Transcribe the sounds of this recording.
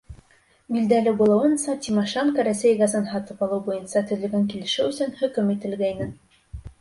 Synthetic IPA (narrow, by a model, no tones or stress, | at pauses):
bild̪ælɘbulˠɑwɤ̆nsɑt̪ʲimɑʃeŋkɑɾæsæjɡɑzɑnɦɑt̪ɤpɑlˠɤwbujɤ̆nsɑt̪ɵ̆ðɘ̆lɡæŋkilɘ̆ʃɘwɘ̆sɵnhɵ̆kɵmit̪ɘ̆lɡæjnɘn